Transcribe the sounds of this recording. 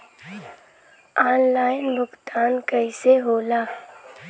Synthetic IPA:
aːnlaːɪnbʊkt̪aːnkəɪseɦoːlaː

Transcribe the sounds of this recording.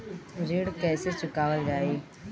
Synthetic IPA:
ɾiːɽkɛːset͡ʃʊkaːʋəld͡ʒaːiː

